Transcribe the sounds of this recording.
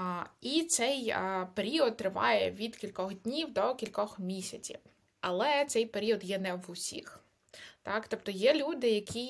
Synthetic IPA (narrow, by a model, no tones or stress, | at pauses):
it̪sɛjpeɾʲiɔd̪̚t̪ːɾɪʋɑ̰jɛ̰ʋʲid̪kʲilʲkɔxd̪ʲnʲiwd̪ɔkʲilʲkɔxmʲisʲɐt͡sʲḭw | ɐlˠɛt̪sɛjpeɾʲiɔd̪jɛnɛʋʊsʲḭx | t̪ɑkt̪ɔpt̪ɔjɛlʲud̪ɪjɐkʲʰi